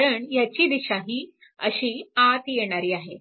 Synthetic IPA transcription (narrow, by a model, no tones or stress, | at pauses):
ɾəɳjat͡ɕiːd̪iɕaɦiː | ə̰ɕiːat̪jeɽ̃aɾiːaɦe